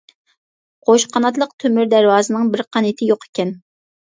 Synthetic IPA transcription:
qʰoʃqɑnɑt̪̬lˠəqt̪ʰømyɾd̪æɾwɑːzɨnɨŋbɪɾqʰɑnet̪ʰɪjoqe̥kʲʰɛn

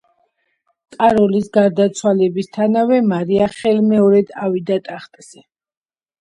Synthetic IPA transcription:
kʼaɾɔlisɡaɾd̪at̪sʰwalɛbist̪ʰanavɛmaɾiaχɛlmɛɔɾɛd̪avid̪at̪ʼaχt̪ʼz̥ɛ

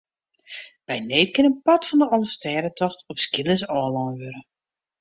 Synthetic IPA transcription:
b̥ɛjneːt̚kɪnənpɑtfɔndəɔlˠəstɛːɾətɔxtɔpskilˠəsɔːlˠɔːnʋøɾə

